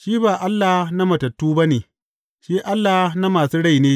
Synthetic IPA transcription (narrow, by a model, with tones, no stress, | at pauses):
ʃiː˦baː˨ʔa˦lːa˨hna˦mɐ˨tɐ˨tːuː˦ba˦neː˨ | ʃiː˦ʔa˦lːa˨na˦maː˨suː˦ɽa˦˨jneː˦